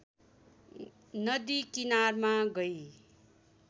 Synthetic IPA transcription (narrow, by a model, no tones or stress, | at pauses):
nʌd̪ikinarmaɡʌj